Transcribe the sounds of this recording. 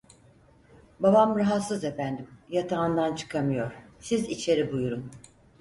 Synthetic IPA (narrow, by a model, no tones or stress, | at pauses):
babamɾaɦat̪sɯze̞fænd̪imjat̪ʰaːnd̪ant͡ʃʰɯ̥kʰamɯjo̞ɾ̥sizit͡ʃʰe̞ɾibujuɾun